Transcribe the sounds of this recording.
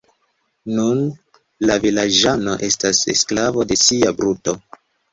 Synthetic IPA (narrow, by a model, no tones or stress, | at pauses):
nun | lavilad͡ʒano̞ʔe̞stasḛsklavo̞de̞siabɾuto̞